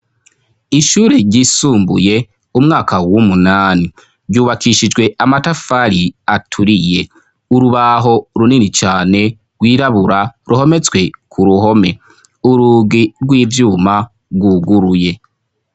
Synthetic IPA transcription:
iʃuːɾeɾɟiːsuːmbṵje̞ | umŋaːkawumunaːni | ɾɟuːβakʰiʃid͡ʒɡwe̞amatafaɾiatʰuɾije̞ | uɾuβaɦo̞ɾuninit͡ʃaːne̞ | ɾɡwiːɾaβuɾaɾʔuho̞me̞t͡swe̞kʰuɾuɦo̞me̞ | uɾuːɡiɾɡwiːvjuːma | ɾɡwuɡuɾuje̞

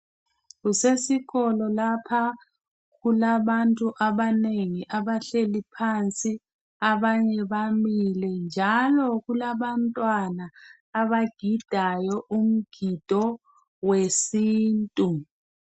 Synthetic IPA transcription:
ɣusesiɣɔlɔlapʰa | ɣulaβantʼuʔaβaneŋiʔaβaɬelipʰant͡sʼi | aβaɲɛβamilɛnd͡ʒʱalɔɣulaβantʼwanaː | βaɡ̥ʱid̥ʱajɔʔum̩ɡ̥ʱid̥ʱɔ | wesiːntʼu

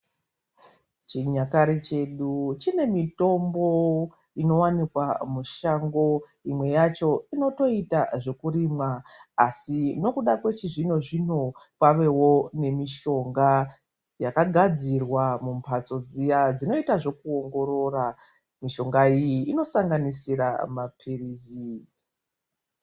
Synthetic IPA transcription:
t͡ʃiɲakaɾit͡ʃe̞ɗut͡ʃine̞mito̞mbo̞ | ino̞wanikwamuʃaŋɡo̞ | imwe̞jat͡ʃo̞ino̞to̞itaʐe̞kuɾiːmaːsino̞kuɗakwe̞t͡ʃiʐino̞ʐino̞kwaʋe̞wo̞ne̞miʃo̞ŋɡa | jakaɡʱad͡zirwamumpʰat͡so̞d͡zijad͡zino̞itaʐo̞kuo̞ŋɡo̞ɾo̞ːra | miʃo̞ŋɡaijiːno̞saŋɡanisiɾamapʰiriːzi

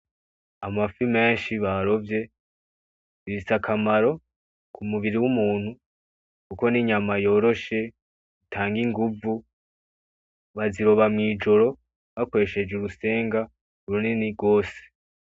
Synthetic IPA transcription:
amafime̞ːnʃiβaɾo̞vje̞ | iβisakʰamaɾo̞ | kʰumuβiɾiwumuːn̥hu | kuko̞niɲamajo̞ːɾo̞ʃe̞ | itʰaːŋɡiŋɡuvu | βaziɾo̞βamŋiːd͡ʒo̞ɾo̞ | βako̞ɾe̞ʃe̞d͡ʒeɾuse̞ːŋɡa | ɾuniniɡo̞ːse̥

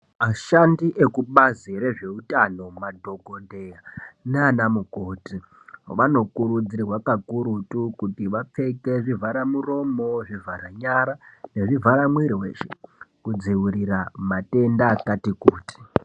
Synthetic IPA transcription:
maʃandiʔekuɓaziɾe̞ʐe̞utano̞madʱo̞ɡʱonde̞janeaːnamukoti | ʋano̞kuɾud͡ziirwakakuɾutukutiʋap͡fe̞ke̞ʐivʱaɾamuro̞moʐivʱaraɲaɾane̞ʐivʱaɾamwiɾiwe̞̰ʃekud͡ziwuɾiramate̞ndakatikuːti̥

